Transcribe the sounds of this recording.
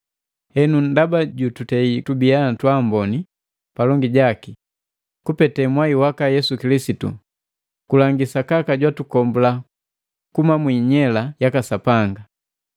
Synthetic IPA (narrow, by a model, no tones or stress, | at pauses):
hɛnundabaɟututɛitubiatwambɔni | palɔŋɡiɟaki | kupɛtɛmwaiwakajɛsukilisitṵ | kulaŋɡisakakaɟwatukɔmbula | kumamwiːɲɛlajakasapaŋɡa